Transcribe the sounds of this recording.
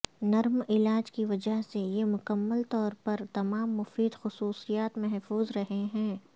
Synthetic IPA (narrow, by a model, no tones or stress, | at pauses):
nɐɾmɪlaːd͡ʒkiʋɐd͡ʒəɦsejemʊkəmːəlt̪ɔːɾpɐɾt̪ɐmaːmːʊfiːd̪xʊsuːsijaːt̪mɛɦfuːzɾɐɦeɦɛ̃ː